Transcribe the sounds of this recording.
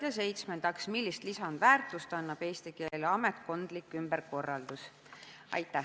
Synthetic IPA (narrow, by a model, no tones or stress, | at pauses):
jɑse̞jt̪smend̪ɑksmilːist̪lisɑnd̪̥væːrt̪ˑust̪ɑnːɑb̥e̞ːst̪ike̞ːleɑmet̪̚ko̞nd̪̥likːˑymb̥eɾko̞rːɑld̪̥us | ɑ̰jt̪ːˑæ